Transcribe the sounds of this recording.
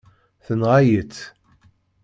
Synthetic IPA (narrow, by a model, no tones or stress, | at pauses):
θənʁajət͡sː